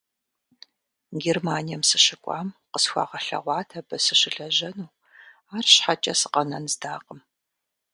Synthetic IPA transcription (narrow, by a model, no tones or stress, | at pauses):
ɡʲermaːnijɛmsɨɕɨkʷʼɑ̰ːmqəsxʷɑ̰ːʁɐɬɐ̰ʁʷɑːtʰɐbɐsɨɕɪɬɐʒɐnuː | aːrɕħat͡ʃʼɐsɨ̥qɐnɐnzdaːqʼəm